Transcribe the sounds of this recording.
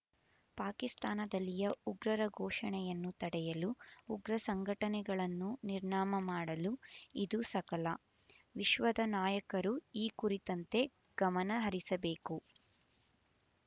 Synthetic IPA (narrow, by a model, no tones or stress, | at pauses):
paːkist̪aːnɐd̪ɐlːijɐuɡɾɐɾɐɡʱɔːʃɐɳɛjɐnːut̪ɐɽɛjɐluːɡɾɐsɐŋɡʱɐʈɐnɛɡɐɭɐnːuniɾɳaːmɐmaːɽɐluid̪usɐkɐlɐ | ʋiʃʋɐd̪ɐnaːjɐkɐɾuiːkuɾit̪ɐnt̪e̞ | ɡ̥ɐmɐnɐɦɐɾisɐbe̞ːku